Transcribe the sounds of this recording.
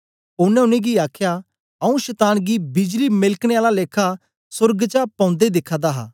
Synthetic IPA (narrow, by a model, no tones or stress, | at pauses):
ʊnɛ̃ʊnẽɡiaːkʰja | ɐũʃɛːt̪aːnɡibɪd͡ʒlimɪlkɽ̃ẽaːlaleːkʰa | sʊɾɡt͡ʃapɐ̃ʊ̃nd̪ed̪ɪkʰːad̪aɦa̰ː